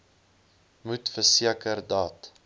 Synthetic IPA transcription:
mutfəsiəkərdɑːt

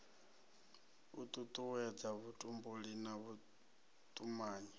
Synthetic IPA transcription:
ut̪ʼut̪ʼuwɛd͡zaβutʼumbuɺinaβu | t̪ʼumaːɲi

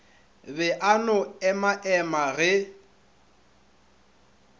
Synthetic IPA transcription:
bɛʔanʊɛmaʔɛmaɣɪ

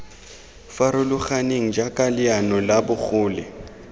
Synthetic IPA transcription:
faɾʊlʊɣaneŋ̩d͡ʒakʼalɪanɔlabʊɣʊːlɪ

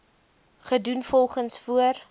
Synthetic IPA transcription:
χədunfɔlˠχənsfuər

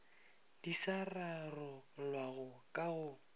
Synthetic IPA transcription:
d̥isararɔlwaɣʊkʼaɣʊ

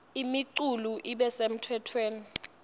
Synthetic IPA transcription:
imiǀuluʔiɓɛsem̩tʰwɛtʰweːni

